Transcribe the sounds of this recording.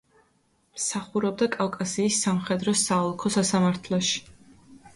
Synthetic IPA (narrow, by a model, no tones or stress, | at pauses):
msaχuɾɛb̚d̪akʼafkʼasiːsːamχɛd̪ɾɔsaɔlˠkʰɔsasamaɾt̪ʰlˠɔʃi̥